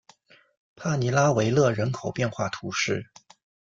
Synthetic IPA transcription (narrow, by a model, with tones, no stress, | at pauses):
pʰa˥˩ni˧˥la˥we˧˥ɪlɤ˥˩ɻə˧˥nkʰo˨˩ʊpjɛ˥˧nxwa˥˩t̪ʰu˧˥ʂɻ̩˥˩